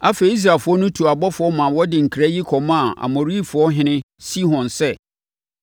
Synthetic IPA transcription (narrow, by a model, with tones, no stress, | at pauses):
a˦fe˨˦i˦s̬ɾa˨fʊ˦ɔ˦nʊ̃˦tʰu˨a˨bɔ˦fʊ˨˦ɔ˦mã˨wɔ˦dɪ˨ŋ̩˨kʰɾa˦ji˦kʰɔ˨mã˦˨ʔa̰˨mo˨ɾi˦˨fʊ˨˦ɔ˦ɦɪ̃˦nɪ̃˦ | si˦ɦɔ̃˨nsɛ˦